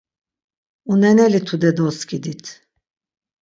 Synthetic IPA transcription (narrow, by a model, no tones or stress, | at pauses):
unɛnɛlit̪ʰud̪ɛd̪ɔskid̪it̪ʰ